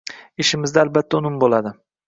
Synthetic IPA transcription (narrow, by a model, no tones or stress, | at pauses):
ɪʃɪmɪzd̪aːlbat̪ʰːaʊnɪmbolad̪ɪ